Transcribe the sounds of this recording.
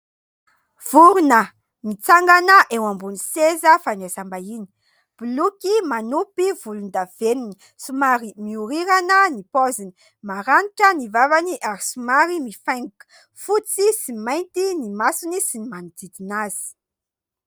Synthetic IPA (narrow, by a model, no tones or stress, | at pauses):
v̥uɾunə | nit͡saŋɡanəʔewambunisezəfanesambaini̥ | b̥ulukʲimanupiv̥ulund̪av̥enuni | sumaɾimiuɾiɾanənipɔzini̥ | maɾaniʈ͡ʂənivavaniʔaɾisumaɾimifajŋukə̥ | fut͡sisimajnt̪inimasunisinimanud̪id̪inaz̥i̥